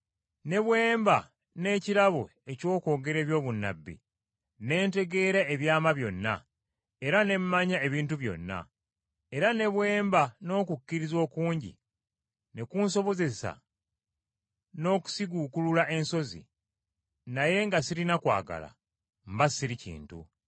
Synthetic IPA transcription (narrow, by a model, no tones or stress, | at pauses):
ne̞βwe̞ːmba | ne̞ːciɾaβo̞ | e̞co̞ːko̞ːɡe̞ɾe̞ːβjo̞ːβunːa̰bːḭ | ne̞ːnte̞ɡe̞ːɾaeβjaːmaβjo̞nːa̰ | e̞ɾane̞mmaɲae̞βiːntuβjo̞̰nːa̰ | e̞ɾane̞βwe̞ːmbano̞ːkukːiɾizo̞ːkuːɲɟḭ | ne̞kunso̞βo̞ze̞sa̰ | no̞ːku̥siɡukululaʔe̞nso̞zḭ | naje̞ŋɡasiɾinakwa̰ːɡa̰la̰ | m̩basiɾicḭːntṵ